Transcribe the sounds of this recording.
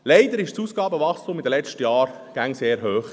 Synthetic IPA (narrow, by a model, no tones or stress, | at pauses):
lɛɪd̪əɾɪʃsuːsɡ̥ɑːbəʋɑχstʊmɪd̪əlɛt͡ʃtəjɑːɾ | ɡ̥æŋseːɾɦøːχ